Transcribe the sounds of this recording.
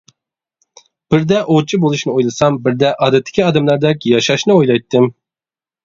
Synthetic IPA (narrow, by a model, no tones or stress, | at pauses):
b̥ɪɾd̪ɛʔot͡ʃʰibolˠuʃnɨojlˠɨsɑmbiɾd̪ɛʔɑːd̪ɛt̪ʰːɪ̥kʲʰiɑːd̪ɛmlˠɑɾd̪ɛkʲjɑʃɑʃnɨojlˠɑjt̪ʰːɨm